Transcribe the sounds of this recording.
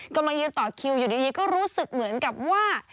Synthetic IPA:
ka˧mla˧ŋjɯː˧t̪ɔː˨˩kʰi˧wjuː˨˩diː˧diː˧kɔː˥˩ɾuː˦˥sɯ˨˩k̚mɯ˩˦ənka˨˩p̚waː˥˩

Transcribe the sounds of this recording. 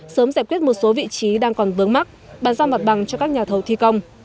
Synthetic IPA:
səː˨˦mzaː˨˩jkwi˦˥t̚mo˨˩t̚so˨˦vḭ˧˨t͡ɕi˨˦ɗaː˧ŋkɔ˨˩nvɨ˨˦əŋma˦˥k̚ | ɓaː˨˩nzaː˧ma˨˩t̚ɓa˨˩ŋt͡ɕɔ˧kaː˦˥k̚ɲaː˨˩t̪ʰə˨˩wt̪ʰi˧kə˧wŋ͡m

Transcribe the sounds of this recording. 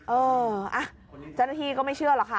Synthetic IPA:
ʔɤː˧ʔa˧˩ | t͡ɕa˧˥˩wnaː˥t̪ʰiː˧kɔː˥˩ma˥˩jt͡ɕʰɯ˥˩ɐlɔ˨˧˥kʰa˥˩

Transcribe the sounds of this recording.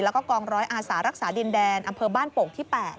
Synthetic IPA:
lɛ˦˥kɔː˥˩kɔː˧ŋɾɔː˦˥jʔaː˧saː˩˦ɾa˦˥k̚saː˩˦di˧ndɛː˧nʔa˧mpʰɤː˧baː˥˩npo˨˩k̚t̪ʰiː˥˩pɛː˨˩t̪̚

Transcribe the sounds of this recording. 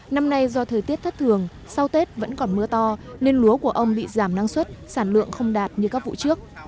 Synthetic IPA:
na˧mna˧jzɔ˧t̪ʰəː˨˩jt̪i˦˥əp̚t̪ʰə˦˥t̚t̪ʰɨ˨˩əŋ | sa˧wt̪e˦˥t̚və̰˧˥nkɔ˨˩nmɨ˧ət̪ɔ˧ne˧nlu˨˦əku˧˩əʔə˧wŋ͡mɓḭ˧˨zaː˧˩mna˧ŋswə˦˥t̚saː˧˩nlɨ̰˧˨əŋxə˧wŋ͡mɗaː˨˩t̚ɲɨ˧kaː˦˥k̚vṵ˧˨t͡ɕɨ˦˥ək̚

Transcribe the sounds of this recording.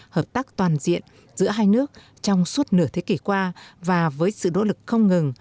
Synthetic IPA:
həː˨˩p̚t̪aː˦˥k̚t̪waː˨˩nzḭ˧˨ən | zɨ̰˧˥əɦaː˧jnɨ˦˥ək̚ | t͡ɕɔ˧wŋ͡msu˦˥t̚nɨ˧˩ət̪ʰe˨˦ki˧˩kwaː˧vaː˨˩vəː˨˦jsɨ̰˧˨no̰˧˥lɨ˨˩k̚xə˧wŋ͡mŋɨ˨˩ŋ

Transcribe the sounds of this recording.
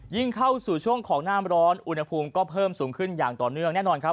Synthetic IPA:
ji˥˩ŋkʰa˥˩wsuː˨˩t͡ɕʰu˥˩əŋkʰɔː˩˦ŋnaː˥˩˨mɾɔː˦˥nʔu˧nha˧pʰuː˧mkɔː˥˩pʰɤː˥˩msuː˩˦ŋkʰɯ˥˩njaː˨˩ŋt̪ɔː˨˩nɯ˥˩əŋnɛː˥˩nɔː˧nkʰɾa˦˥p̚

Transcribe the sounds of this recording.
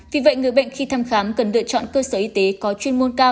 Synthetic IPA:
vi˨˩və̰˧˨jŋɨ˨˩əjɓə̰˧˨nxi˧t̪ʰaː˧mxaː˨˦mkə˨˩nlɨ̰˧˨ət͡ɕɔ̰˧˨nkəː˧səː˧˩ʔi˧t̪e˨˦kɔ˨˦t͡ɕwi˧ənmo˧nkaː˧w

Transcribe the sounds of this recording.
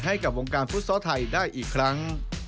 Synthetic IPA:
ɦa˥˩jka˨˩p̚wo˧ŋkaː˧nfu˦˥t̪̚sɔː˦˥t̪ʰa˧jdaː˥˩jʔiː˨˩kʰːɾa˦˥ŋ

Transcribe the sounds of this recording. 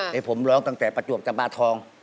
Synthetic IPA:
ʔe˧˩pʰo˩˦mlɔː˦˥ŋt̪a˧ŋt̪ɛː˨˩pɾa˧t͡ɕu˨˩əp̚t͡ɕa˧mpaː˧˩t̪ʰɔː˧ŋ

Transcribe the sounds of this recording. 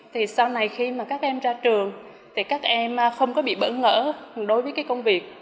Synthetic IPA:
t̪ʰi˨˩sa˧wna˨˩jxi˧maː˨˩kaː˦˥k̚ʔɛ˧mzaː˧t͡ɕɨ˨˩əŋ | t̪ʰi˨˩kaː˦˥k̚ʔɛ˧m˨˩xə˧wŋ͡mkɔ˨˦ɓḭ˧˨ɓə̰˧˥nŋə̰ː˧˥ɗo˨˧˦jvəː˨˦jka˨˦jkə˧wŋ͡mvi˨˩ək̚

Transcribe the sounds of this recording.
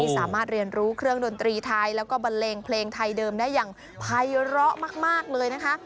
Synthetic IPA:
i˥˩saː˨˩˦maː˥˩t̪̚ɾi˧ənɾuː˦˥kʰɾɯ˥˩əŋdo˧nt̪ɾiː˧t̪ʰa˧jlɛː˦˥wkɔː˥˩ba˧nleː˧ŋpʰleː˧ŋt̪ʰa˧jdɤː˧mdaː˥˩jːaː˨˩ŋ | pʰa˧jɾɔ˦˥ʔmaː˥˩k̚maː˥˩k̚lɤː˧jna˦˥kʰa˦˥ʔ

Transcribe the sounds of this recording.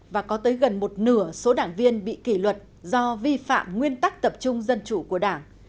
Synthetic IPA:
vaː˨˩kɔ˨˦t̪əː˨˦jɣə˨˩nmo˨˩t̚nɨ˧˩əso˨˦ɗaː˧˩ŋvi˧ənɓḭ˧˨ki˧˩lwə˨˩t̚ | zɔ˧vi˧fa̰ː˧˨mŋwi˧ənt̪a˦˥k̚t̪ə˨˩p̚t͡ɕʊ˧ŋ͡mzə˧nt͡ɕu˧˩ku˧˩əɗaː˧˩ŋ

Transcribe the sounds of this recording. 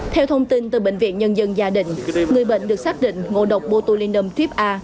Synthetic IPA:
t̪ʰɛ˧wt̪ʰə˧wŋ͡mt̪i˧nt̪ɨ˨˩ɓḛ˧˨ŋ̟vḭ˧˨ənɲə˧nzə˧nzaː˧ɗḭ̈˧˨ŋ̟ŋɨ˨˩əjɓə̰˧˨ŋ̟ɗɨ˨˩k̚saː˦˥k̚ɗḭ˧˨ŋ̟ŋo̰˧˨˩ɗə˨˩wk͡p̚ɓo˧t̪u˧li˧nə˧mt̪ʰwi˦˥p̚ʔaː˧

